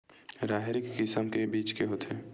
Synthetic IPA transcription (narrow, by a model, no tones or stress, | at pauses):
ɾaːɦɪɾɪkːɪsəmkebiːt͡ʃkeɦoːt̪ʰeː